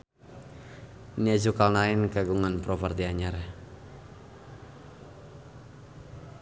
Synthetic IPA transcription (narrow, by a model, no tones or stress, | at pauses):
niɛzukalnaɪnkaɡuŋanpɾɔpərt̪iaɲar